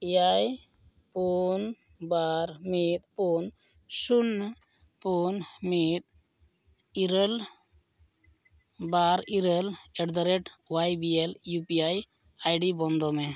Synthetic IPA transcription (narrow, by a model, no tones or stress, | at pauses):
iaj | pun | baɾmit̪̚pun | sunː | punmit̪̚ | iɾəl | baɾiɾəlɛɖd̪əɾeʈwajbieljupiaj | ajɖibɔnd̪ɔmɛ